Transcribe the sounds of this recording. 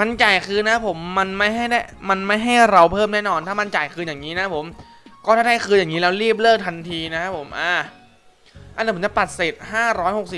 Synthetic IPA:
ma˧nt͡ɕaː˨˩jkʰɯː˧na˦˥pʰo˩˦mːa˧nma˥˩jɦa˥˩jdaː˥˩jma˧nma˥˩jɦa˥˩jɾa˧wpʰɤː˥˩mnaː˥˩nɔː˧nt̪ʰaː˥˩ma˧nt͡ɕaː˨˩jkʰɯː˧jaː˨˩ŋːiː˦˥na˦˥pʰo˨˩˦m | kɔː˥˩aː˥˩a˥˩kʰɯː˧jaː˨˩ŋiː˦˥lɛː˦˥wɾiː˥˩p̚lɤː˥˩k̚t̪ʰa˧nt̪ʰiː˧na˦˥kʰa˦˥pʰo˩˦mʔaː˧˩ | ʔa˧niː˦˥pʰt͡ɕa˨˩pa˨˩t̪̚se˨˩t̪̚haː˥˩ɾɔː˦˥jho˨˩k̚si˨˩p

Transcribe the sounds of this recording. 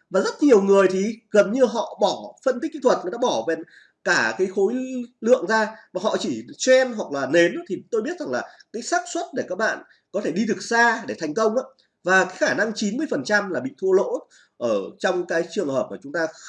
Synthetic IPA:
vaː˨˩zə˦˥t̚ɲi˨˩əwŋɨ˨˩əjt̪ʰi˨˩ɣə˨˩nɲɨ˧ɦɔ̰˧˨ɓɔ˧˩fə˧nt̪i˦˥k̚kːḭ˧˨t̪ʰə˨˩t̚ŋə˨˦ɗa̰ː˧˥ɓɔ˧˩vɛ˨˩n | kaː˧˩kaː˨˦jxo˨˦jlɨ̰˧˨əŋzaː˧maː˨˩ɦɔ̰˧˨t͡ɕi˧˩t͡ɕɛ˧nɦwa˨˩k̚laː˨˩ne˨˦n˦t̪ʰi˨˩t̪o˧jɓi˦˥ət̚za˨˩ŋlaː˨˩kaː˨˦jsaː˦˥p̚swə˦˥t̚ɗe˧˩kaː˦˥k̚ɓa̰ː˧˨n | kɔ˨˦t̪ʰe˧˩ɗi˧ɗɨ˨˩ək̚zaː˧ɗe˧˩t̪ʰa˨˩jŋ̟kə˧wŋ͡mʔaː˨˧˥ | vaː˨˩kaː˨˦jxaː˧˩na˧ŋt͡ɕi˨˦nmɨ˧əjfə˨˩nt͡ɕa˧mlaː˨˩ɓḭ˧˨t̪ʰu˧əlo̰˧˥ | ʔəː˧˩t͡ɕɔ˧wŋ͡mkaː˨˦jt͡ɕɨ˨˩əŋhəː˨˩p̚maː˨˩t͡ɕʊ˨˦ŋ͡mt̪aː˧

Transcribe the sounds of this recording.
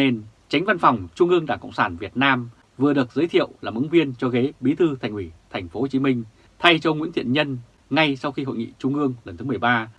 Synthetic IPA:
ne˧nt͡ɕa˨˦jŋ̟va˧nfa˨˩wŋ͡mt͡ɕʊ˧ŋ͡mʔɨ˧əŋɗaː˧˩ŋkə̰˧˨wŋ͡msaː˧˩nvi˨˩ət̚naː˧m | vɨ˨˩əɗɨ˨˩ək̚zəː˨˦jt̪ʰḭ˧˨əwlaː˨˩mʔɨ˨˦ŋvi˧ənt͡ɕɔ˧ɣe˨˦ɓi˨˦t̪ʰɨ˧t̪ʰa˨˩jŋ̟hwi˧˩t̪ʰɛ˨˩jŋ̟fo˨˦ho˨˩t͡ɕi˨˦mï˧ŋ̟ | t̪ʰa˧jt͡ɕə˧wŋwḭ˧˥nt̪ʰḭ˧˨ənɲə˧n | ŋa˧jsa˧wxi˧hɦo̰˧˨jŋḭ˧˨t͡ɕʊ˧ŋ͡mʔɨ˧əŋlə˨˩nt̪ʰɨ˨˦mɨ˨˩ə˩jɓaː˧

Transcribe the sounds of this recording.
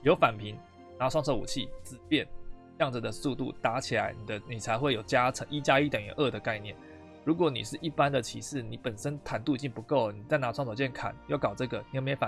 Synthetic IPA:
jo˧˥ʊfa˨˩npʰi˧˦ŋ | na˧˥ʈ͡ʂʰwɑ˥˧ŋt͡sʰɤ˥˩ṵ˨˩t͡ɕʰi˥˩t͡sɹ̩˨˩pjɛ˥˨n˥˧ | jɑ˥˩ŋd͡z̩˨˩d̪ə˩su˥˧t̪ṵ˥˨t̪a˧˥t͡ɕʰi˨la˧˦˥ɪni˨˩d̪ə˦ni˨˩t͡sʰa˧˥ɪxwe˥ɪjo˨˩ʊt͡ɕja˦˥t͡sʰɤ˧˦ŋʔi˥t͡ɕja˦˥i˥˩t̪ə˨˩njɛ˨˩ʔə˥˩d̪ə˩ka˥˧ɪnjɛ̰˥˩n | ɻu˧˥k̬wɔ˧˦nḭ˨˩ʂɻ̩˥˧ʔi˥˩pa˦nd̪ə˨t͡ɕʰḭ˧˥ʂɻ̩˥˩ni˨˦pə˨˩nʂə˦nt̪ʰa˧˥nt̪u˥˧i˧˩t͡ɕi˥˩ŋpu˧˥ko˥˩ʊni˨˩t͡sa˥˩ɪna˧˥ʈ͡ʂʰŋt͡sʰɑ˨˩ʊt͡ɕjɛ˥˩nkʰa̰˨˩njo˥˩ʊkɑ˨˩ʊʈ͡ʂɤ˥˩ɡə˨ni˨jme˧˥fa˨

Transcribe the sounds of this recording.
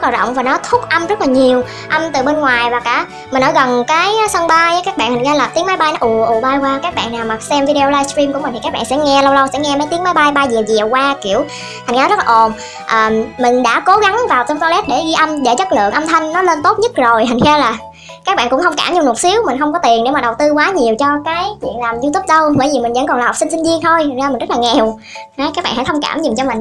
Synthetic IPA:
z̚laː˨˩ɗɔ̰˧˨wŋ͡mvaː˨˩nɔ˨˦t̪ʰʊ˦˥k͡p̚ʔə˧mzə˦˥laː˨˩ɲi˨˩əw | ʔa˧mt̪ɨ˨˩ɓe˧nŋwaː˨˩jvaː˨˩kʔa̰ː˧˩ | mï˨˩ŋ̟ʔəː˧˦˩ɣə˨˩nkaː˨˦jsə˧ŋɓaː˧jkaː˦˥k̚ɓa̰˧˨t̪a˨˩ŋ̟xɛ˧laː˨˩t̪i˨˦əŋma˨˦jɓa˧jnɔ˨˦ʔu˨˩ʔu˨˩ɓaː˧jkwaː˧kaː˦˥k̚ɓa̰ː˧˨naː˨˩wma˨˩k̚sɛ˧mvi˧i˧o˧laː˧jstɾi˧mku˧˥mi˨˩t̪ʰi˨kaː˦˥kɓa̰ː˧˨sɛ̰˧˥ŋɛ˧lə˧wlə˧wsɛ̰˧˥ŋɛ˧mə˨˦jt̪i˨˦ŋmaː˨˦jɓa˧jɓa˧jzɛ˨˩wzɛ˨˩wkwaː˧ki˧˨əw | t̪ʰa˨˩ŋ̟ː˨˦zə˦˥laː˨ʔo˨˩n | ʔəː˨˩mmï˨˩ŋ̟ɗa̰ː˧˥ko˨˦ɣa˨˦ŋvaː˨˩wt͡ɕɔ˧ŋ͡mt̪ɔ˧lɛ˦˥t̚ɗe˧˩ɣi˧ʔə˧nɗe˧˩t͡ɕə˦˥t̚lɨ̰˧˨əŋʔə˧mt̪ʰə˧ŋ̟nɔ˨˦le˧nt̪o˦˥t̚ɲə˦˥t̚zo˨˩jt̪ʰa˨˩ŋxɛ˧wlaː˨˩ | kaː˦˥k̚ɓa̰ː˧˨nkʊ̰˧˥ŋ͡mxə˧wŋ͡mkaː˧˩mɲɨ˧ŋ͡mnu˨˩t̚si˨˦əwmï̟˨˩xə˧wŋ͡mkɔ˨˦t̪i˨˩əne˧˩wmaː˨˩ɗə˨˩wt̪ɨ˧kwaː˨˦ɲi˨˩əwt͡ɕɔ˧kaː˨˦jt͡ɕwḭ˧˨ənlaː˨˩mzu˧t̪ʰu˦˥p̚ɗə˧wvə̰ː˧˩jvi˨˩mi˨˩zə̰˧˥ŋkɔ˨˩nlaː˨˩˨k͡p̚sï˧ŋ̟si˧ŋzi˧əŋt̪ʰo˧jt̪ːŋzaː˧mï̟˨˩zə˦˥laː˨˩ŋɛ˨˩w | a˨˦kaː˦k̚ɓa̰ː˧˩ha̰˧˥jtʰə˧ŋ͡mkaː˧˩mɲi˨˩mt͡ɕɔ˧mi˨˩ŋ̟

